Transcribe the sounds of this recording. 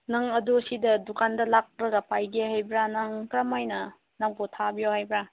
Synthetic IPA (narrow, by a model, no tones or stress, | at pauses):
nɐŋɐdusidɐdukʰandɐlak̚ɾɐɡɐpajɡehajbɾanaŋkɾamajnɐ | naŋpotʰabijohajbɾa